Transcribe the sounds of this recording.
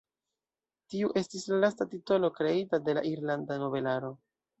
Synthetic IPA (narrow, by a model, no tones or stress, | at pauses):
tiuʔe̞stislalastatito̞lo̞kɾe̞itade̞la̰ʔiɾlandano̞ve̞laɾo̞